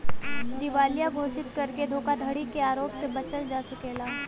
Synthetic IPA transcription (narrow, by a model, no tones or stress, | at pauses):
d̪ɪʋaːlijaɡʱoːsɪt̪kɐɾked̪ʱoːkad̪ʱəɽikeaːɾoːpsebɐt͡ʃəld͡ʒaːsɐkeːlaː